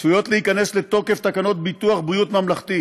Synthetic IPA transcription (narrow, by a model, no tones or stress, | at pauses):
svujo̞t̪lehikane̞sle̞t̪o̞ke̞ft̪akano̞t̪̚bit̪uaχbʁijut̪mamlaχt̪i